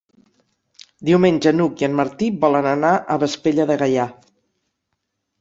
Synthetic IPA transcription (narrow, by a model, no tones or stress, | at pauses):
d̪iwmeɲʲd͡ʒənukiənməɾt̪ibɔlənənaʔəβəspeʎəðəɣəja